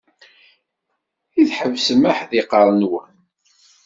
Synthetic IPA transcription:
iθħəvsəmaħðiqəɾˤnwən

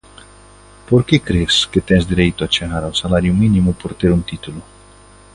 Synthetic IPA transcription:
poɾkekɾesket̪ɛŋzd̪iɾejt̪oat͡ʃeɣaɾausalaɾjuminimupoɾt̪eɾunt̪it̪ulu

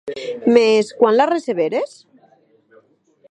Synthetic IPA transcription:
meskwanlareseβeɾes

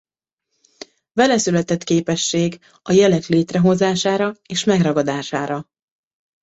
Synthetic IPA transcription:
vɛlɛsylɛt̪ɛt̪keːpɛʃːeːɡ | ɒjɛlɛkleːt̪rɛɦo̞zaːʃaːɾɒeːʃmɛɡrɒɡɒd̪aːʃaːɾɒ

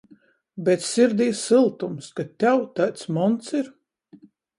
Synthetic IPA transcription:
bɛt̪siɾd̪ʲiːsɨlˠt̪umskat̪ʲɛwt̪at̪smɔnt̪siɾ

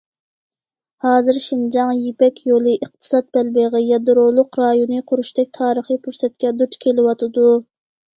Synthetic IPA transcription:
hɑːzɨɾʃind͡ʒɑŋjepɛkʲʰjolˠɨʔəq̚t̪ʰɨ̥sɑt̪̚bɛlbeʁəjɑd̪ɾolˠʊqɾɑjonɨqʰʊɾuʃt̪ɛk̚ʲt̪ʰɑːɾəχəpʰuɾsɛt̪̚kʲɛd̪ut͡ʃ̪kʲʰelɪwɑt̪ʰɨd̪u

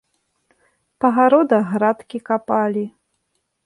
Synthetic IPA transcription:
pɐɣaɾɔd̪ɐɣɾat̪kʲikapalʲi

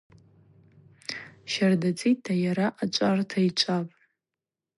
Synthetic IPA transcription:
ʃardat͡sʼitʰːajaɾaʔat͡ʃʷʼartʰait͡ʃʷʼapʼ

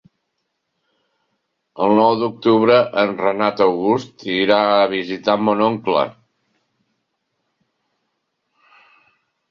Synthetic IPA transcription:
əlˠnɔwd̪uk̚t̪uβɾəʔənrənat̪əwɣust̪iɾaəβizit̪amɔnoŋklə̰

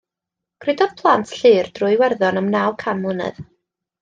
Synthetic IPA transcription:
kʰrɪdɔð̥pʰlˠantʰɬɨːrd̥rʊɨwɛrðɔnəmnawkʰanmʊnɨ̰ð

